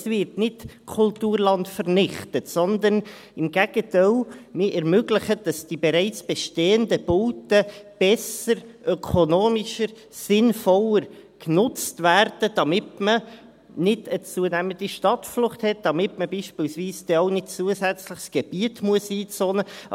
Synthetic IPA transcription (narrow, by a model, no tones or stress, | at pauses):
svɪɾtnɪtkʰʊltuːrlɑntfərnɪχtətsɔnd̪ən | ɪmɡæɡ̥ətaɪlmɪʔɛɾmøɡlɪχəd̥ɑsd̥ibɛɾæɪt͡sb̥ɛʃteːəndəb̥oːtəb̥ɛsəɾʔœkʰonoːmɪʃəɾ | sɪnfɔləɾ | knʊt͡stvæːɾd̥əd̥ɑmɪtmə | nɪdət͡suənæmənd̥iʃtɑtflʊχthɛt̚d̥ɑmɪtməbiːʃpiːlsviːsd̥ɛɔʊnɪdt͡suəsæt͡slɪχsɡ̥ɛb̥iətmuəsiːt͡soːnə